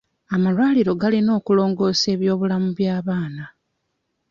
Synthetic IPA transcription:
amalwaːliɾo̞ɡalino̞ːkulo̞ːŋɡo̞ːse̞ːβjo̞ːβulamuβjaːβaːna

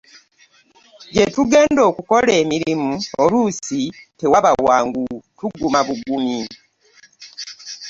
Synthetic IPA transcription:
ɟetuɡe̞ːndo̞ːkuko̞le̞ːmiɾimuolusite̞waβawaːŋɡutuɡumaβuɡumi

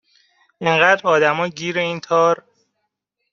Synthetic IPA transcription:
ʔeŋɢæːd̪ɾɒːd̪æmɒːɟiːɾeiːnt̪ʰɒːɾ

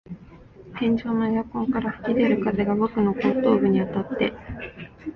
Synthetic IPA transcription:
hẽ̞ɲ̟d͡ʑo̞ːnojakõ̞ŋkaɾaɸɯ̟̥kʲid̪e̞ɾɯ̟kaze̞ɡabo̞kɯ̟no̞kot̪ːo̞ːbɯ̟ɲ̟iat̪at̪ːe̞

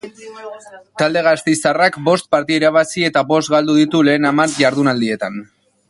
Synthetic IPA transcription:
t̪ald̪e̞ɣ̞ast̪ejsarakbo̞st̪̚paɾt̪iaiɾaβ̞asie̞t̪aβo̞st̪ɡald̪uðit̪ule̞ːnamaɾʝaɾðunald̪ie̞t̪an

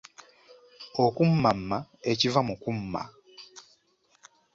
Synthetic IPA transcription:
okumːamːae̞civamukumːa̰

